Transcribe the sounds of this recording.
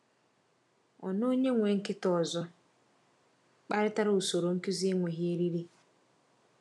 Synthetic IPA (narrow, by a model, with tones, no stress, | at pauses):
ɔ̰˨no˦ɲe˦ŋʷe˨ŋ̩˦kɪ˦tɔ˨zɔ˦ | k͡pa˦ɾɪ˦ta˦ɾo˨so˨ɾo˨ŋ̩˦ki˦zi˦ŋʷe˨ɦɪ˦e˦ɾi˦ɾi˦